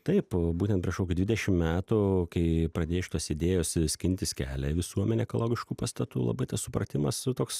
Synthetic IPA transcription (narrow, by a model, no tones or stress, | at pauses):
t̪ɐɪpbuːtʲɛnt̪̚pʲɾʲiɛʃkoːkʲuːd̪ʲʋʲɪdʲɛʃʲɪmmʲæːt̪ukɐɪpɾɐd̪ʲeːjʊʃʲɪt̪uɔsɪd̪ʲeːjoːssʲkʲɪnʲt̪ʲɪskʲæːlʲɛʋʲɪsuɔmʲɛnʲɛkolˠoːɡʲɪʃkuːpɐst̪ɐt̪ṵːlˠɐ̰bɐɪt̪ɐssʊpɾɐ̰t̪ʲɪmɐst̪oːks